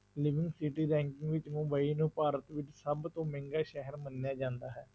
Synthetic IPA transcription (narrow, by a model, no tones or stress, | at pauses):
lɪʋɪ̃ŋɡsɪʈiːɾɛ̃ːŋkɪ̃ŋɡʋɪt͡ʃmʊbaːiːnũːpaːɾət̪ʋɪt͡ʃsəbt̪õːmɪ̃ŋɡaːʃɛɦəɾmənːejaːd͡ʒãːnd̪aːɦɛː